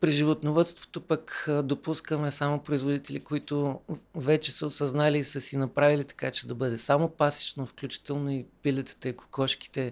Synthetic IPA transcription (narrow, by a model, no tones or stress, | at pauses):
pɾiʒivot̪novət̪st̪vo̥t̪opəkd̪opuskəmɛsamopɾoizvod̪it̪ɛlikoit̪ʊvɛt͡ʃɛsəosɐznaliːsəsinɐpɾavilit̪ɐ̥kat͡ʃɛd̪ɐbɤd̪ɛsamopasi̥t͡ʃnofklʲut͡ʃi̥t̪ɛlˠnoipilɛt̪ə̥t̪ɐiko̥kɔʃki̥t̪ɛ